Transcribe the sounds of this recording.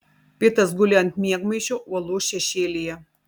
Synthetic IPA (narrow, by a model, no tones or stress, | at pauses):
pʲɪt̪ɐs̬ɡʊlʲɛnt̪ʲmʲiɛɡmɐɪʃʲoʔuɔlˠoːʃʲɛʃʲeːlʲɪjɛ